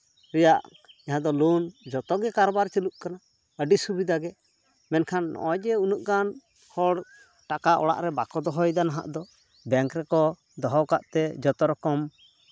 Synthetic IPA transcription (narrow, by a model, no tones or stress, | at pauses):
ɾɛjaʔ | aɦãd̪ɔlund͡ʒɔt̪ɔɡɛkaɾbaɾt͡ʃəluʔkana | əɖisubid̪aɡɛ | mɛnkʰanːɔ̰ʔɔd͡ʒɛunuʔkan | hɔɽ | ʈakaʔɔ̰ɽa̰ʔɾɛbakɔd̪ɔɦɔjd̪anaɦa̰ʔd̪ɔ | bɛŋkɾɛkɔ | d̪ɔɦɔkaʔt̪ɛd͡ʒɔt̪ɔɾɔkɔm